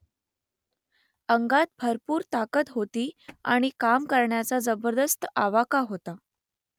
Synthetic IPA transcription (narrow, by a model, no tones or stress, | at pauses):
əŋɡat̪̚bʱəɾpuːɾt̪akət̪ɦot̪iːa̰ɽ̃ikamkəɾɳjat͡sad͡zəbəɾd̪əst̪aʋakaɦot̪a